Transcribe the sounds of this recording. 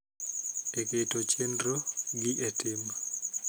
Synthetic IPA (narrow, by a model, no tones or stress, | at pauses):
eketot͡ʃendɾoɡɪʔetɪm